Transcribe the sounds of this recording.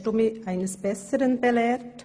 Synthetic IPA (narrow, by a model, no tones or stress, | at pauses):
tʊmiʔaɪnəsb̥ɛsəʁənbɛlɛːt